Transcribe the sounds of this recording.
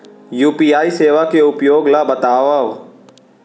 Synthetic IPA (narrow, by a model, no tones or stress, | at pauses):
juːpiːaːiseːʋakeʊpjoːɡlabɐt̪aːʋao